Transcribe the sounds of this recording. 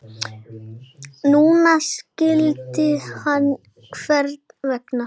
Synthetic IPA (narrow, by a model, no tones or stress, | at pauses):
nuːnascɪlt̪ɪhanː | kʰv̥ɛɾt̪nvɛkna